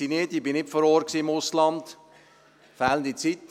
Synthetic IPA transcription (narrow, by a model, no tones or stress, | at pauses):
inɪtibɪnɪpfɔɾoːɾksiːɪmʊslɑnd | fɛːlənd̪it͡sit